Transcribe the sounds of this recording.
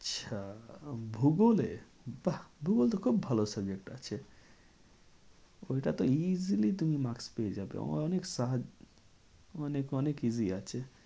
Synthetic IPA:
əʃʰabʱuɡolḛ | bahbʱuɡolt̪okʰubːʱɐlosəbd͡ʒek̚ʈa̰t͡ʃʰe | oiʈat̪oizilit̪umimaksped͡ʒaːbḛõ̰ɔneksaɦad͡ʒ | ɔnekɔnekiziat͡ʃʰe

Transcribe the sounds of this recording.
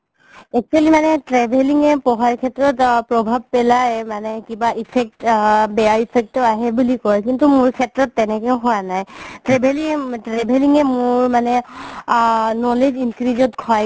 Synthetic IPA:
ɛk̚t͡ʃualimanɛtɹɛbʱeliŋɛpɔɦaɹkʰɛtɹɔtpɹɔbʱab̚pɛlajmanɛkibaʔipʰɛk̚tbɛjaipʰɛk̚tːɔaɦɛbulikɔɹkintumʊɹkʰɛtɹɔtːɛnɛkɛʊɦɔwanajtɹɛbʱeliŋɛtɹɛbʱeliŋɛmʊɹmanɛ | nɔled͡ʒinkɹizɔtkʰɔj

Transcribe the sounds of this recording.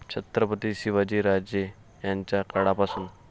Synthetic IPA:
t͡ɕʰət̪ɾəpət̪iɕiʋad͡ʑiːɾad͡ʑje | jaɲt͡ɕjakəɽapasuːn

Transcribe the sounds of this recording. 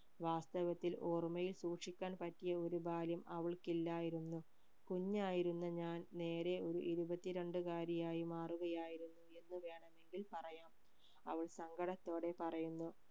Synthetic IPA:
ʋaːst̪ɐʋɐt̪ːiloːrmɐjilsuːʈʂikʲːaːnpɐtːijɐo̞ɾubaːljɐmɐʋɐɭkilːaːjiɾunːu | kuɲːaːjiɾunːɐɲaːnne̞ːɾe̞o̞ɾṵʔiɾubɐt̪ːiɾeɳɖɨkaːɾɐjaːjimaːruɣɐjaːjiɾunːue̞nːɨʋe̞ːɳɐme̞ŋɡilpɐrɐjaːm | ɐ̰ʋɐɭsɐŋɡʱɐɽɐt̪ːo̞ːɽe̞pɐrɐjunːu

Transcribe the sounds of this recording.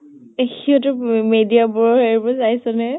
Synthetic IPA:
exiɔtʊmedijabɔɹɔheɹibɔzajsɔnɛ

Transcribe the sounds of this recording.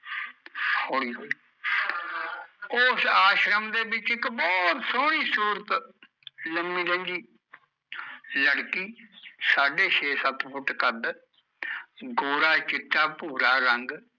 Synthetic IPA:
hoːɽiː | ʊsaːʃɾəmd̪eːbɪt͡ʃɪkbɔːt̪soːɽiːsuːɾət̪ | ləmĩːɾə̃nd͡ʒiː | ləɽkiːsaːɖeːʃʰeːsət̪pʰʊʈkəd̪ | ɡoːɾaːt͡ʃɪt̪ːaːpuːɾaːɾəŋɡ

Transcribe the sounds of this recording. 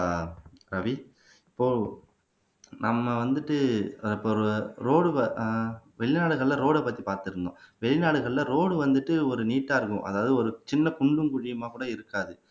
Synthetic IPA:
ɾɐʋi | ɪpːoː | nɐmːɐʋɐnd̪ɯʈːɯɪpːoːɾɾoːɽɯɐ | ʋɛɭɪnaːɽɯɣɐɭlɐɾoːɽɛpːɐt̪ːipaːɾt̪ɯɾɯnd̪õ̰ːʋɛɭɪnaːɽɯɣɐɭlɐɾoːɽɯʋɐnd̪ɯʈːɯɔɾɯniːʈːaːɾɯkʊ̰̃ʔɐ̰ðaːʋɐðɯɔɾɯt͡ʃɪnːɐkʊɳɖɯmkʊɻɪjɐmaːkuːɽɐɪɾɯkːaːðɯ

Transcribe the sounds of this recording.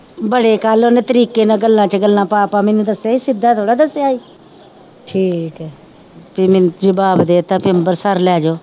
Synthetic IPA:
bəɽeːkaːloːneːt̪əɾiːkeːnãːɡəlːãːt͡ʃəɡəlːãːpaːpaːmẽːnũːd̪əsaːiːsɪd̪aːt̪ʰoːɽaːd̪əseaːiː | ʈʰiːkɛ | piːmɪnd͡ʒəbaːbd̪eːt̪ãːpɪmbəɾsəɾlɛːd͡ʒoː

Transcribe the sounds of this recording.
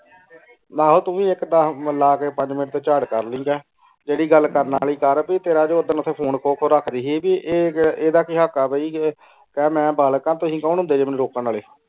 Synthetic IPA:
naːɦoːt̪ʊʋĩːɪkd̪aməlaːkeːpəɲd͡ʒmɪnəʈt̪eːt͡ʃaːɽkəɾlĩːɡɛː | d͡ʒeːɽiːɡəlkəɾnaːliːkəɾbiːt̪eːɾaːd͡ʒoːʊd̪ənət̪ʰẽːpʰoːnkʰoːkʰoːɾakʰd̪iːɦiːbiːʔeːeːd̪aːkɪɦaːkːaːbəiː | kɛːmɛ̃ːbʱaːlkãːt̪oɦĩːkauːnɦʊ̃nd̪eːd͡ʒeːmɛnũɾoːkənaːleː

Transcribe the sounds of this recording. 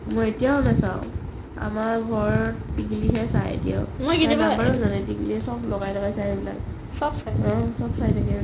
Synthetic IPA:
mojetijaʊnasaw̃ | a̰maɹɡʱɔɹtiɡiliɦɛsajḛtija̰ʊmojkiiaabaɹuzanɛtiɡilisɔblɔɡajtʰaɡajsajbila̰k | sɔbsajtɔ̃sɔbsajtʰakɛ

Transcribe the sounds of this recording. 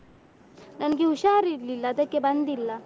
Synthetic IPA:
nankiuɕaɾililːad̪əkːeband̪ilːa

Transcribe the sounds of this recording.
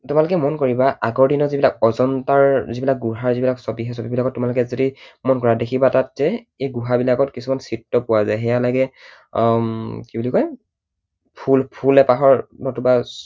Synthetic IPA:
tʊmalʊkɛmɔnkɔɹibaʔaɡɔɹdinɔzibilakɔzɔntaɹzibilak̚ɡuɦaɹzibilaksɔbiɦɛsɔbibilakɔtːʊmalʊk̬ɛizotimɔnkɔɹadekʰibatat̚zɛ | ejɡuɦabilakɔtkisumansitːɔpʊwazajɦɛjalaɡɛ | kibulikɔj | pʰulpʰulɛpaɦɔɹnɔtuba

